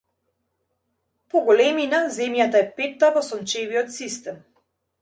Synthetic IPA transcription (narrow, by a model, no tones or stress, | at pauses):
pɔɡɔlɛminazɛmjat̪aɛpɛt̪ːavɔsɔnt͡ʃɛviɔt̪sist̪ɛm